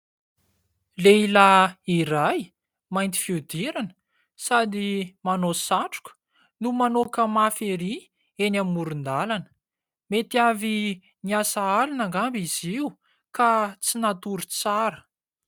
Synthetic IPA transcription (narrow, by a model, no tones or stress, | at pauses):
leilaiɾaj | majnt̪i̥fiud̪iɾanə | sad̪imanosaʈ͡ʂu̥kʲə̥ | numanokəmafeɾi | enamːuɾund̪alanə̥ | met̪iavi | niasaalunaŋɡambiz̥iu | kat͡sinat̪uɾut͡saɾə̥